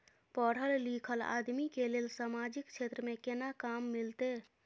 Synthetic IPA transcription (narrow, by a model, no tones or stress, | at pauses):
pɔːɽ̤əlliːkʰəla̰ːd̪mikelelsaːmaːd͡ʒɪkʃeːt̪ɾəmẽkɪnakaːmːɪlt̪e